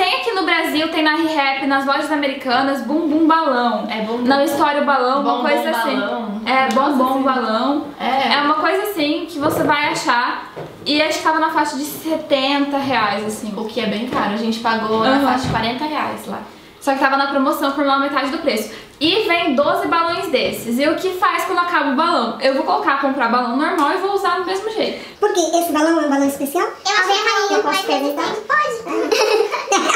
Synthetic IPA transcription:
t̪ẽj̃akinʊbɾaziwt̪ẽj̃nɐɦiɦɛpɪnɐzvɔʒɐzameɾikɐ̃nɐzbũbũbalɐ̃w̃ɛbõnɐ̃ist̪ɔɾjʊbalɐ̃w̃uɐɐkojzɐzasĩɛbõbõw̃balɐ̃w̃ɛɛũmɐkojzɐasĩkɪvosevajaʃa | ɪaʒẽt͡ʃɪ̥t̪avɐnɐfaʃɐd͡ʒɪset̪ẽnt̪ɐɦeajzasĩʊkʰɪɛbẽj̃kaɾʊɐʒẽnt͡ʃɪ̥paɡonɐfaʃɐd͡ʒɪkwaɾẽnt̪ɐɦea̰jsla̰ | sɔkɪt̪avɐnɐpɾomosɐ̃w̃foɾmãmet̪ad͡ʒɪd̪ʊpɾesʊ̥ | ɪvẽj̃d̪ozɪbalõj̃zd̪esɪzɪʊkɪfaskwɐ̃nd̪ʊakabʊbalɐ̃w̃ewvowkolokaɾkõpɾaɾbalɐ̃w̃noɾmawɪvouzad̪ʊmezmʊʒejt̪ʊ̥poɾkeʔesɪbalɐ̃w̃ɛũbalɐ̃w̃ɪspesiawewɐvẽɐmaɲĩkɔpemẽt̪apod͡ʒ̪

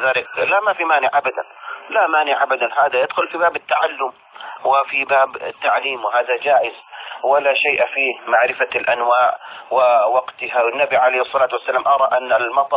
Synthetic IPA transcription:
ðaːlɪklamafimaːnɪʕʔabad̪a̰nlamaːnɪʕʔabad̪anɦaːðajɪd̪xʊlfibaːbɪt̪ːaʕalːʊm | wɪfibaːbɪ̰t̪ːaʕliːmwɪɦaːðad͡ʒaːʔɪzwɪlaʃajʔfiːhmaʕɾɪfalʔanwaːʔwɪwɑɡt̪ɪhawɪnːabiʕalejhɪsˤːɑlaːt̪wasːalaːmʔɑɾˤɑʔanːalmɑt̪ˤ

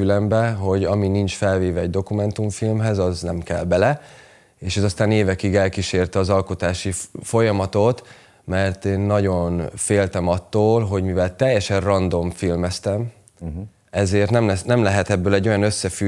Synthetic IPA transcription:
ylɛmbɛɦo̞ɟɒminint͡ʃfɛlveːvɛɛɟ̚d̪o̞kumɛnt̪uɱfilmɦɛzɒznɛmkɛ̰lbɛlɛ | eːʃɛzɒst̪aːneːvɛkiɡɛlkiʃeːrt̪ɛɒzɒlkot̪aːʃifo̞jɒmɒt̪o̞t̪ | mɛrt̪eːnːɒɟo̞nfeːlt̪ɛmɒt̪ːoːlɦo̞ɟmivɛlt̪ɛjːɛʃɛrrɒnd̪o̞ɱfilmɛst̪ɛm | ɛzeːrt̪nɛmlɛnɛmlɛɦɛt̪ɛbːøːlɛɟːo̞jɒnøsːɛfy

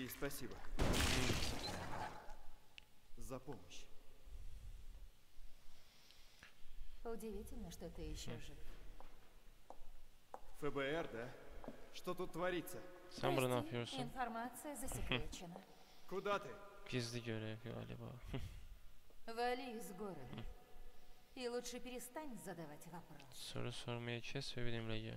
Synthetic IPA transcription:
ispɐsʲibə | zɐpoməɕ | ʊdʲɪvʲitʲɪlʲnəʂt̪ot̪ɨɪɕːeʐɨ | fɛbɛɛrd̪aʂt̪ot̪ut̪ːvɐɾʲit̪səsænbuɾnapʰjoɾsuɪnfɐrmat̪sɨjəzəsʲɪkʲet͡ɕɪnə | kʊd̪at̪ɨɡizd̪iɟøɾɛka̰lʲḭba̰ | vɐlʲiɪzɡoɾəd̪ | ilˠutʂɨpʲɪɾʲɪst̪anʲzəd̪ɐvatʲvɐpɾofso̰ɾusoɾmajat͡ʃʰɛsvɛbinimlʲɛɟø̰

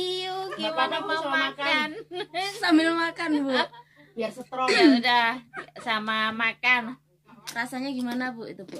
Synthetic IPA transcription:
iuɡimanamamakansambɪlmakanbubiasat̪ɾɔaudahsamamakan | rasaɲaɡimanabuʔit̪upu

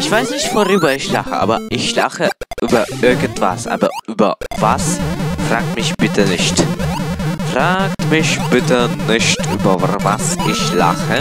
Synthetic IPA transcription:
ʔɪçv̥aɪsnɪçtv̥oʁyːbɐɪçla̰χə̰ʔa̰ːbɐ̰ʔɪçla̰χəʔyːbɐʔɪɐɡən̩tv̥a̰sʔa̰ːbɐ̰ʔyːbɐ̰va̰sfʁ̥aːk̚tmɪçb̥ɪtʰənɪçt | fʁ̥aːktmɪçb̥ɪtənɪçtʔyːbɐva̰sʔɪçla̰χə

